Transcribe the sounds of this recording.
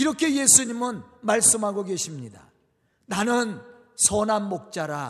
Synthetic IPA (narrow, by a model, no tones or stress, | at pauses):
iɾʌkʰe̞je̞sʰuɲimɯnmaɭs͈ɯmɦaɡoɡe̞ɕʰimɲida̰ | nanɯn | sʰʌnanmok̚t͡ɕ͈aɾa